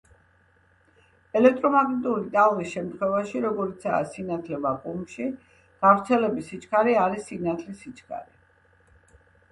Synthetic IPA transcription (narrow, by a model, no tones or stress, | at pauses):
ɛlɛk̚ʰt̪ʼɾɔmaɡnit̪ʼuɾit̪ʼalˠʁisʃɛmt̪ʰχwɛvaʃiɾɔɡɔɾit̪sʰaːsinat̪ʰlɛbakʼumʃi | ɡ̥avɾt̪sʰɛlɛbisit͡ʃʰʼkʰaɾiaɾisːinat̪ʰlisit͡ʃʰʼkʰa̰ɾi